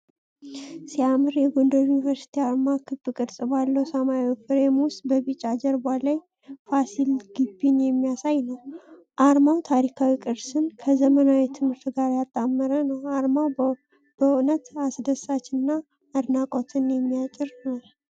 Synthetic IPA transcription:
siamɨɾjɛɡondəɾjunivəɾsi̥t̪ʰiaɾmakʰɨbɨkʼɨɾsʼbalːəwsəmawfɨɾemwʊst̪bəβit͡ʃʼːad͡ʒɛɾbalaj | fasilɡ̥ɨbːinjɛmːijasajnəw | ʔaɾmawt̪ʰaɾikʰawikʼɨɾsɨnkʰəzəmənawit̪ʰɨmhɨɾt̪ʰɡaɾjat̪ʼːamːəɾənəwaɾmaw | b̥ənət̪asd̪əsat͡ʃːɨnːa | ad̪nakʼot̪ʰɨnjɛmːijat͡ʃʼːɪɾnal

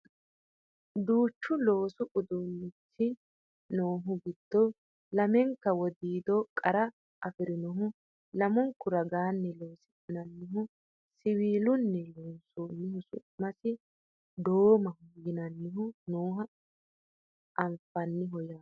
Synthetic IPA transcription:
d̪uːt͡ʃːʊlo̞ːsʊʔʊd̪unːɪt͡sːɪ | noːɦʊɡɪd̪̥ːɔ | lɐmɛŋkːɐwɔd̪iːd̪ɔkʼɐɾɐ | ɐfɪɾɪnɔɦʊ | lɐmɔŋkːʊɾɐɡaːnːɛlo̞ːsɪtʼɪnɐnːɪɦʊ | sɪwiːlʊnːɛlɔnsoːnːɪhʊsʊ̰mɐsɪ | d̪oːmɐhʊjɪnɐnːɪɦʊnoːɦɐ | ʔɐmfɐnːɪɦɔjaː

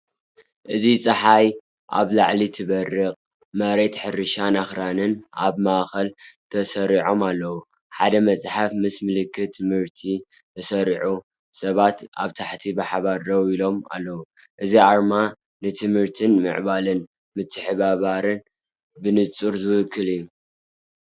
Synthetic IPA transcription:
ʔɨzit͡sʼɐħaj | ʔa̰βlaʕlit̪ʰɨβɐrːɨqʼ | mɐɾe̞t̪ħɨɾɨʃanaxɾanɨna̰βmaʔxɐlt̪ʰɐsɐɾiʕo̞malːɐwu | ħad̪ɐmɐt͡sʼħafmɨsmɨlɨkʰːɨt̪ʰːɨmhɨɾt̪ʰi | t̪ʰɐsɐɾiʕu | sɐβat̪a̰βt̪ʰaħt̪ʰibɨħaβaɾːɐwilo̞ma̰lːɐwu | ʔɨziaɾma | nɨt̪ʰɨmhɨɾt̪ʰɨnmɨ̰ʕβalɨn | mɨt̪ʰːɨħɨβaβaɾɨn | bɨnɨt͡sʼuɾzɨwɨkʰːɨlijːu

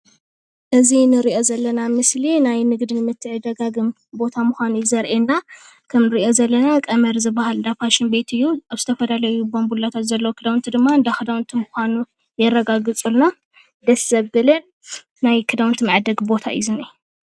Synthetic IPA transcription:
ʔɨzinɨɾiʔo̞zɐlːɐnamɨslinajnɨɡd̪inɨmɨt̪ʰːɨʕɨd̪ɐɡaɡɨm | bo̞t̪ʰamɨxʷanujizɐɾʔenːa | kʰɐmnɨɾiʔo̞zɐlːɐnakʼɐmɐɾzɨbahalɨnd̪apʰaʃɪnbe̞t̪ʰɨjːuaβz̥ɨt̪ʰɐfɐd̪alɐjubombulːat̪ʰat̪zɐlːɐwokʰɨd̪awnt̪ʰɨd̪ɨmːaɨnd̪akʰɨd̪awnt̪ʰɨmɨxʷanu | jɛrːɐɡaɡɨt͡sʼulna | d̪ɐsːɐβɨlɨnː | ajkʰɨd̪awnt̪ʰɨmʕɨd̪ɐɡbo̞t̪ʰa̰ʔḭzunɨju

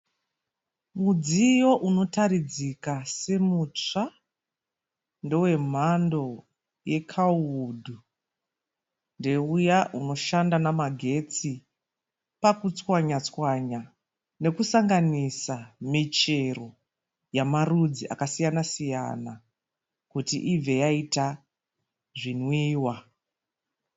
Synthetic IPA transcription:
mud͡zijo̞ʔuno̞taɾid͡zikase̞mut͡ʂa | ndowe̞m̤ando̞ | je̞kʰaudʱu | nde̞ujaʔuno̞ʃandanamaɡʱe̞t͡si | pakut͡swaɲat͡swaɲa | ne̞kusaŋɡanisamit͡ʃe̞ro̞ | jamarud͡ziʔa̰kasijanasija̰na | kutḭʔib͡ve̞jaita | ʐinwiːwa

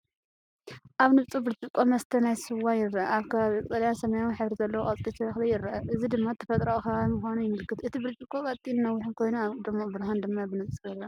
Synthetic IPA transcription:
ʔaβnɨβt͡sʼubɨɾt͡ʃʼɨkʼːomɐst̪ʰɐnajsɨwajɪrːɐʔɐaβkʰɐβaβikʼt̪ʼɐljasɐmajawħɨβɾizɐlːɐwokʼɐt͡s̪ʼlʼit̪ʰɐβaxlijɪɾːɐʔɐʔɨzid̪ɨmːat̪ʰːɐfɐt̪ʼɾaʔkɐβmɨxanujɪmɨlkʰɨt̪ʔɨt̪ʰibɨɾt͡ʃʼikʼokʼɐt͡s̪ʼinnɐwːʊħɨnkʰo̞jnuaβd̪ɨmobɨɾɦand̪ɨmːabɨnɨβt͡sʼujɪrːɐ

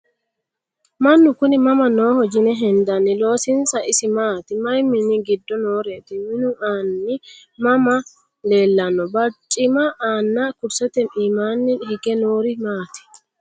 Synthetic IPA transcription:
mɐnːʊkʊnɪmɐmɐnoːhɔd͡ʒɪnɛɦɛnd̪ɐnːɪlo̞ːsɪnsɐʔɪsɪmaːt̪ɪmɐjmɪnɪɡɪd̪ːɔnoːɾeːt̪ɪmɪnʊaːnːɪmɐmɐ | le̞ːlːɐnːɔbɐt͡ʃʼːɪmɐʔaːnːakʊɾsɛt̪ɛmiːmaːnːɪnhɪɡɛnoːɾɪmaːt̪ɪ̥

